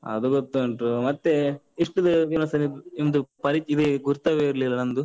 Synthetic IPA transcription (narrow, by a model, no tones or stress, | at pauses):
ɐ̰d̪uɡot̪ːuɐɳʈumɐt̪ːe | iʂʈud̪ɐʋinɐsɐniind̪upɐɾit̪id̪eɡuɾt̪ɐʋeiɾlilːɐnɐnd̪u